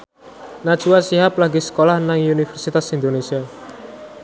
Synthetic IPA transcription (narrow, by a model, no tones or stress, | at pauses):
nad̥t͡ʃuwasiɦaplaɡisə̥kolahnaŋunifɛrsit̪asind̪onesia